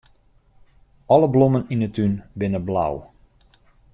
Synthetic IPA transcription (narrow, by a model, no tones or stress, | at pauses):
ɔləbloməninətʰynbɪnəbla̰w